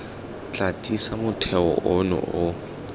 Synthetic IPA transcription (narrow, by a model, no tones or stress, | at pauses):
t͡ɬʼatʼisamʊtʰɛɔ̰ʔɔnʊ̰ʊ